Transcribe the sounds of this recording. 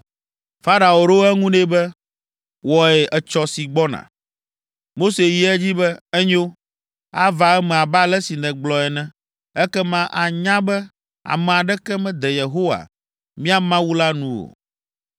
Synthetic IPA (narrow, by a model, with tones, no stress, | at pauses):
fa˦ɾa˨wo˨ɾo˦ɛ˦ŋũ˦ne˦bɛ˦ | wɔ˨ɛ˨ʔɛ˨t͡ʃɔ˨si˨ɡ͡bɔ˦nã̰˨ | mo˦se˨ji˨ɛ˦d͡ʑi˦bɛ˦ɛ˦ɲo˦ | a˦va˨ɛ˦mɛ̃˨a˨ba˦lɛ˦si˨nɛ̃˨ɡ͡blɔ˨ɛ˨nɛ̃˦ | ɛ˦kɛ˦mã˦ʔa˨ɲã˦bɛ˦ | a̰˨mɛ̃˨a˨ɖɛ˦kɛ˦mɛ̃˦d̪ɛ˨je˨ɦo˦wa̰˨ | mĩ˦a˨mã˦wu˦la˦nũ˦wo̰˨